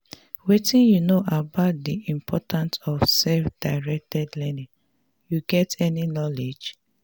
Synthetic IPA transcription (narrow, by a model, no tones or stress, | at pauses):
wetĩnjunoʔabaʊt̚diĩmpʰɔtãnsɔfsɛfd̥aɪɹɛk̚tʰɛdlɛnĩŋ | juɡɛtɛninɔled͡ʒ